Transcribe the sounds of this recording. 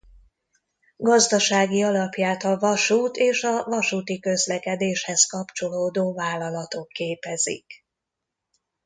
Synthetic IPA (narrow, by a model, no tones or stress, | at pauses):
ɡɒzd̪ɒʃaːɡiɒlɒpjaːt̪ɒvɒʃuːt̪eːʃɒvɒʃuːt̪ikø̞zlɛkɛd̪eːʃhɛskɒpt͡ʃo̞loːd̪oːvaːlːɒlɒt̪o̞kːeːpɛzḭk